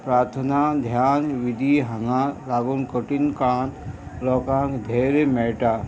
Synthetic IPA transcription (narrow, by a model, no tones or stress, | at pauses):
pɾaːɾt̪ʰənad̪ʱjaːnʋid̪ʱiɦɐŋãlaːɡunkəʈinkãːt̪ɾɔːkãːkd̪ʱeːɾemeːʈaː